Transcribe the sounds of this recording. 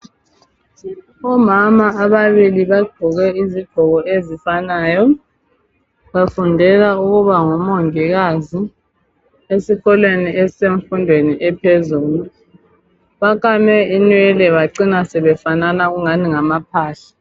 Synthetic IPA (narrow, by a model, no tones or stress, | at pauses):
ɔmamaaβaβiliβaɡ͡ǃʱɔɣɛiziɡ̥ʱɔɣɔʔezifanaːjɔ | βafundʱɛlauɣuβaŋɔmoŋiɣazi | esiɣɔlweniɛseɱfundʱweniʔɛpʰezuːlu | βakamɛinwɛlɛβaǀinasɛβɛfananaɣuŋaniŋamap̚ʰaːɬḁ